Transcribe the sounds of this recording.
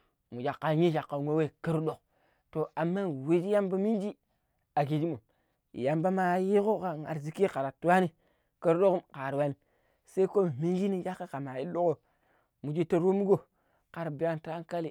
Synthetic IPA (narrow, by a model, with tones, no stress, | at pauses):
mu˨d͡ʒa˨kːa˨ɲi˦ʃa˨kːa˨ŋʷe˦we˦˨kə˦ɾdo˨k | to˨a˨mːa˦˨wi˦d͡ʒi˦ja˦mba˦mi˦nd͡ʒi˦ | a˨ɡi˨d͡ʒi˦mo˨ | ḭ˨ja˨mba˦ma˨˦ji˦ko˦ka˨ŋa̰˨ɾzi˨˦ki˦ka˨ɾa˨tu˦wa˦ni˦ | kə˦ɾɗo˦ku˦mka˨ɾwa˦ni˨ | sa˦i˦ko˦mi˨mi˦nd͡ʒi˦ni˦d͡ʒa˦kːe˦ka˨ma˨i˦lu˦ko˦ | mu˨d͡ʒi˦to˦˨ɾu˦mu˦ɡo˦ | ka˨ɾbi˨˦ja˦nta˦ŋ˦ka˦li˨